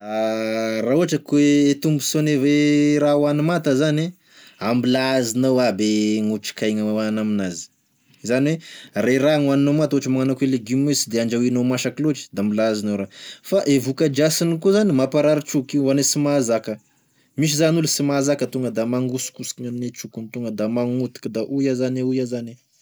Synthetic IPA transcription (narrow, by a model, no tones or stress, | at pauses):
araɦuaʈ͡ʂəkweet̪umbu̥soneveɾawanimat̪əzani | ambilazinawabeŋuʈ͡ʂi̥kajŋaawanaminazi̥ | zaniwerajɾaŋuaninomat̪uaʈ͡ʂəmaŋanakweleɡimesid̪eaɳd͡ʒawinomaʃakiloʈ͡ʂi̥d̪ambilazinawɾafaʔevukəd͡ʒasinikuzanimapaɾaɾit͡ʃukianesimazakə | miʃ̬izanulusimazakət̪uŋɡəd̪amaŋɡusu̥kusi̥iɲannet͡ʃukunt̪uŋɡəd̪amaŋut̪i̥kid̪aʔujazaneujazane